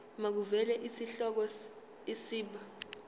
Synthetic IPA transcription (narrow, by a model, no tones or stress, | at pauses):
mak̬uvɛlɛʔisiɬɔk̬ɔs | isiːɓa